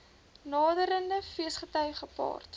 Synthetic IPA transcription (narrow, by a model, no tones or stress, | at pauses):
nɑːdəɾəndəfiəsχətœɥχəpɑ̰ːrt